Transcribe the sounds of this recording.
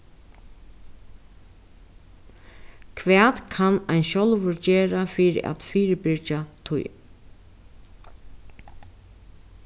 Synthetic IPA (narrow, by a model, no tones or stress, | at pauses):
kʰʋɛːt̪kʰanajnʃɔlʋʊɹd͡ʒeːɾafiːɾɪ̰ʔa̰t̪fiːɾɪpɪɹt͡ʃat̪ʰʊ̰j